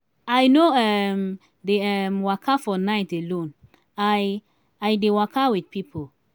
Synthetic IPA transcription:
ajnoɛm | deɛmwakʰafɔnaɪtelõn | aj | ajdewakawid̚pipʰo

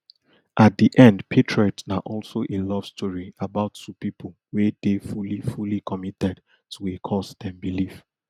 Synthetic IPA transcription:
ʔat̚d̪iʔɛ̃ndpʰetʰɹɔtnaʔɔlsoʔelɔv̥stʰɔɹiabaʊtːupipʰol | wedefulifulikʰɔmitɛd | tʰuekʰɔsdɛ̃mbilif

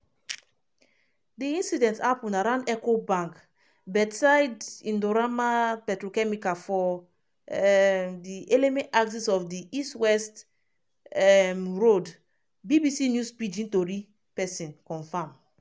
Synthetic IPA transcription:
diĩnsidɛ̃ntapũnaɾãnɛkobãŋk | bɛdsajdĩndoɾamapɛtɾokɛmikafɔ | diʔelemɛ̃aks̬isɔfdiistwɛst | mɹod | bibisinjuspid͡ʒĩntoɾi | pɛsĩnkɔ̃nfãm

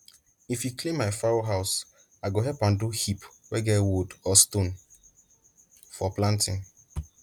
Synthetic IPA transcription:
ifjukʰlĩmːaɪfaɹoɦaʊs | aɪɡoɦɛlpãnduhip | wɛɡɛwudɔstõn | fɔplãntʰḭ̃n

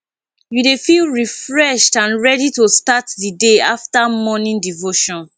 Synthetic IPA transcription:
judefilɹifɹɛʃtãnɹɛditostatdideaftamɔnĩndivoʃɔ̃n

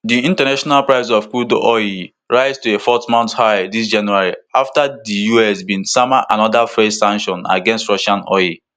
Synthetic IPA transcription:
diĩntanaʃɔnalpɹaɪzɔfkudɔ̰i | ɹaɪztuefɔtmɔ̃nthaɪdis̬d͡ʒãnjuaɹiaftadijuɛsbĩnsamaʔanɔdafesãŋʃɔ̃na̰ɡɛ̃nstɹɔʃãnɔji

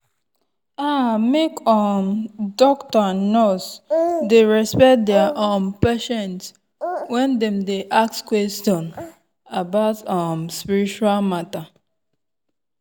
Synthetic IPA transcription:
amekɔmdɔktɔnosdeɹɛspɛt̚dɛaʔonpɛʃɛ̃nt | wɛ̃ndɛ̃mdeʔak̚tkwɛstɔ̃n | abaʊtɔmspiɹit͡ʃualmata

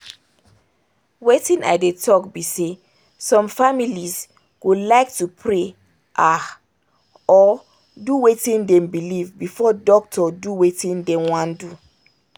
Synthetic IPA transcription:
wetĩna̰ɪdetʰɔkbise | sɔ̃mfamiliz | ɡ̥olaɪktupʰɹe | ʔa | ɔ | duwetĩndɛ̃mbilivbifɔdɔk̚tʰɔduwetĩndɛ̃wãndu

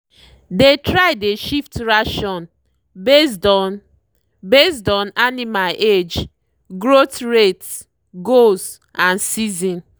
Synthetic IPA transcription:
detɾaɪdeʃiftɾaʃɔ̃n | besdɔ | bes̬dɔ̃nanimalʔed͡ʒ | ɡɾotɹets | ɡos | ãnsizĩn

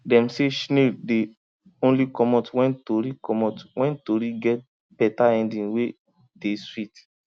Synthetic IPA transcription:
dɛ̃mseʃnede | õnlikɔmɔtwɛ̃ntoɾikɔmɔtwʔɛ̃ntoɾiɡɛt̚ | b̥ɛtaɛ̃ndĩnwe | deswit

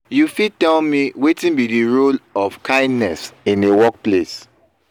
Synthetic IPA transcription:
jufitɛlmiwetĩnbidiɹolɔfkãɪ̃ndnɛsĩnewɔk̚ples

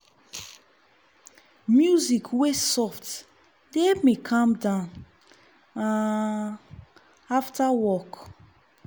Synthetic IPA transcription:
mjuzikʰwesɔft | demekʰãmdãn | ã | aftʰawɔk

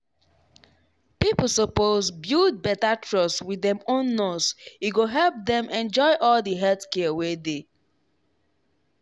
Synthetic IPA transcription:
pipəsopozbjud̚bɛtatʰɹɔswidɛ̃mõnːɔsjuɡoɦɛlp̚dɛ̃mʔɛ̃nd͡ʒɔɪʔɔldiɦɛltkɛəwede

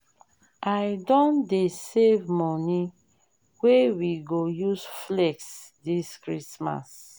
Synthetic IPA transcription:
ajdɔ̃ndesevmɔni | wewiɡojusflɛks | diskɹisma̰s

